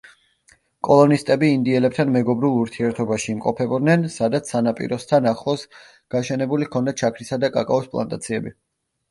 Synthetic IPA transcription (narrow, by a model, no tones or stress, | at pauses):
kʼɔlˠɔnist̪ʼɛbiːnd̪iɛlɛp̚t̪ʰanmɛɡɔbɾulˠuɾt̪ʰiɛɾt̪ʰɔbaʃiːmqʼɔ̰pʰɛbɔd̪nɛnsad̪at̪sʰsanapʼḭɾɔst̪ʰanaχlˠɔs | ɡ̥aʃɛnɛbulikʰɔnd̪at͡ʃʰakʰɾisad̪akʼa̰kʼa̰ɔspʼlˠa̰nt̪ʼa̰t̪sʰiɛbi